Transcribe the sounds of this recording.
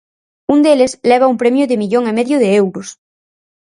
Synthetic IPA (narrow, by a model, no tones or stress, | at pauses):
und̪elesleβ̞aumpɾemjʊðɪmiʎoŋemeðjʊðɪewɾʊs